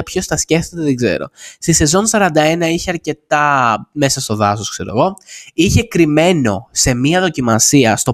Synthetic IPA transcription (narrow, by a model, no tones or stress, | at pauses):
ɐpço̞st̪ɐsce̞ft̪ot̪eðeɡze̞̰ɾo̞̰st̪ise̞zo̞nsɐɾɐnd̪ɐe̞nɐiçeɐɾce̞t̪ɐme̞sɐst̪o̞ðɐso̞skse̞ɾo̞ɣo̞içe̞kɾime̞no̞se̞miɐðo̞cimɐsiɐst̪o̞